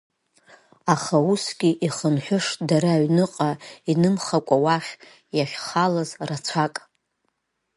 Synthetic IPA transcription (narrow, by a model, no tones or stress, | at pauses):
aχausɡʲiʔiχənħʷᶣʊʂʼdaɾaɥnɨqʼainɨmχakʷʼawaχʲ | jaχʲχalazrat͡sʷʰakʼ